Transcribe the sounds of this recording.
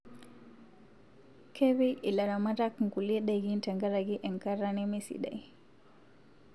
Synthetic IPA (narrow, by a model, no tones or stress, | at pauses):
kʰɛβɛʔilaɾamaɾakŋ̩kuliɛɗaiɡintaŋɡaɾaɡiʔɛŋkaɾanɛmisḭɗa̰i